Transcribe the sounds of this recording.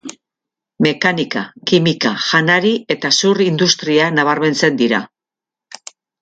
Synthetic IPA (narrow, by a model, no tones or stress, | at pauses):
me̞kanikakimikaʝanaɾie̞t̪asurind̪ust̪ɾianaβ̞arme̞nt͡se̞nd̪iɾa̰